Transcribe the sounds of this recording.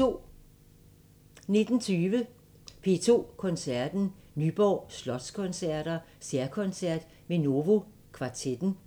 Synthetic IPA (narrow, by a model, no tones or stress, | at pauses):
o̝̰ | ne̝d̥n̩t͡sʰyːʋə | pʰe̝t͡sʰo̝̰ːkʰɒ̽nsæɐ̰d̥n̩ | nyb̥ɒ̰ːslɒ̽d̥skʰɔ̽nsæɐ̰ɾ̥ɐ | seɐkʰɒ̽nsæɐ̰d̥ | meno̝ʋo̝ | kʰʋɑ̈t͡sʰed̥n̩